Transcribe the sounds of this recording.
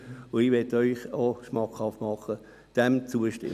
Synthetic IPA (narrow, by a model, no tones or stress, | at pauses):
ʊɪʋɛtœʏχoʃmɑkhɑftmɑχːə | d̥ɛmt͡suəʃtɪ̰